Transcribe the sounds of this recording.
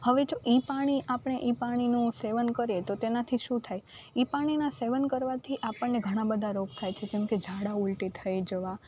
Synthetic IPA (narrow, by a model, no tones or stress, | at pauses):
həʋed͡ʒoʔipaɽ̃iʔapɳ̃eʔipaɽ̃inũseʋənkəɾijet̪ot̪enat̪ʰiʃũt̪ʰaj | ipaɽ̃inaseʋənkəɾʋat̪ʰiʔapəɳːeɡʱəɽ̃ãbəd̪ʱaɾoɡ̚t̪ʰajt͡ʃʰed͡ʒemked͡ʒʱaɽaulʈit̪ʰəjd͡ʒəʋa